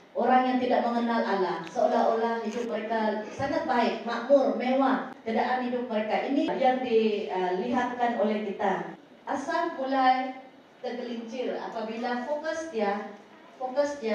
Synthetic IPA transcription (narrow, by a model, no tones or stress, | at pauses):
ʔoɾaŋjaŋt̪idaʔməŋənalʔalahsəolaolahhidʊp̚məɾekasaŋat̪̚baɪk̚maʔmʊrmewahk̪ədaʔanɦidʊp̚məɾekaʔinijaŋdiliɦat̪̚kanolɛhkit̪a | ʔasambulaj | t̪ərkəliɲt͡ʃɪla̰pabilafokəsd̪ia | fokəsd̪ia